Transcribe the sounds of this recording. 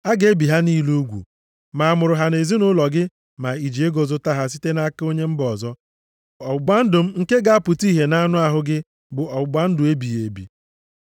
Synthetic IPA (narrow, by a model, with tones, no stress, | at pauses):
a˦ɡe˦bi˨ɦa˦niː˦lu˦ɡʷṵ˨ | ma˨a˨mʊ˨ɾʊ˨ɦa˨ne˨zi˦nʊ˦lɔ˨ɡɪ˦ | ma˨i˨d͡ʒi˨e˦ɡo˨zʊ˦ta˦ɦa˨s̬i˦te˦na˦ko˦ɲe˦m̩˦bɔ˨zɔ˦ | ɔ˨ɡ͡ba˦n̩˦dʊ˨m̩˦ŋ̩˦ke˦ɡa˦a˦pʊ˨ti˦ɦe˨na˦nʊ˦a˨ɦʊ˦ɡɪ˦ | bʊ˨ɔ˨ɡ͡ba˦n̩˦dʊ˨e˦bi˨je˨bḭ˨